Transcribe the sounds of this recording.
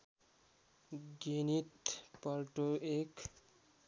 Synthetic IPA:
ɡenit̪pəɾʈoek

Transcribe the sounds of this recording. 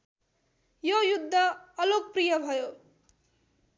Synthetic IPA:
jojud̪ʱːʌːlok̚prijʌbʱʌjo

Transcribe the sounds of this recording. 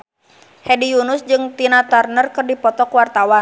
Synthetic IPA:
hɛdijunʊsd͡ʒɨŋt̪inat̪arnərkɨrdipɔt̪ɔkwart̪awan

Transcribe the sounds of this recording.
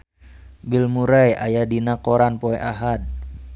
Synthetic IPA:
bilmuɾaja̰jadinakɔɾanpoɛʔaɦad̪̚

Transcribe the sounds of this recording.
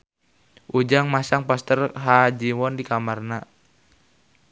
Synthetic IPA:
ʔud͡ʒaŋmasaŋpɔst̪ərɦad͡ʒiwɔndikamarna

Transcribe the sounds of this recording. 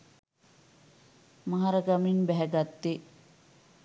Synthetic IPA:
maɦaɾəɡaminbɛɦɛɡat̪ːe

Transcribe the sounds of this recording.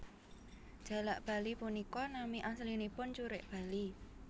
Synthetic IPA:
ʒ̥ä̤laʔb̥a̤lipunikɔnamiʔaslinipʊnt͡ʃuɾɪʔb̥a̤li

